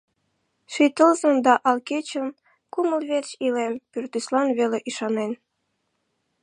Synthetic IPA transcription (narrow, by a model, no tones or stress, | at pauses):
ʃit̪əlzə̆md̪ɑʔɑlket͡ɕə̆m | kuməlβert͡ɕilempyrt̪yslɑnβeleʔiʃɑnen